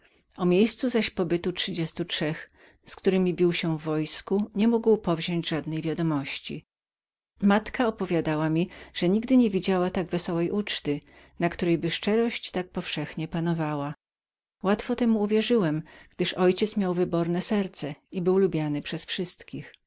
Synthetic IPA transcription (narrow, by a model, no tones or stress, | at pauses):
ɔmʲjejst̪suzaɕpɔbɘt̪utʂɘd͡ʑɛst̪utʂɛx | skt̪uɾɘmʲibʲiwɕɛvːɔjskuɲɛmuɡwpɔvʑɔɲd͡ʑʐad̪nɛjvʲjad̪ɔmɔɕt͡ɕḭ | mat̪kaɔpɔvʲjad̪awamʲiʐ̥ɛɲiɡd̪ɘɲevʲid͡ʑawat̪aɡvɛsɔwɛjʔut͡ʂt̪ɘ | nakt̪uɾɛjbɘʂt͡ʂɛɾɔɕt͡ɕt̪ak̚pɔfʂɛxɲɛpanɔvawa | wat̪fɔt̪ɛmuːvʲjɛʐɘwɛmɡ̥̚d̪ɘʂɔjt͡ɕɛt̪smʲjawvɘbɔɾnɛsɛɾt̪sɛibɘwlubʲjanɘpʂɛsfʂɘst̪kʲix